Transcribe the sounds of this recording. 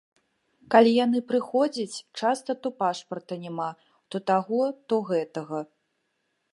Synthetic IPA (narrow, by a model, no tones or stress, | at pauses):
kalʲijan̪ɨpɾɨxɔd͡zʲɐt͡sʲt͡ʂast̪ɐt̪ɔpaʂpɐrt̪ɐnʲɛma | t̪ɔt̪aɣɔt̪ɔɣɛt̪ɐɣɐ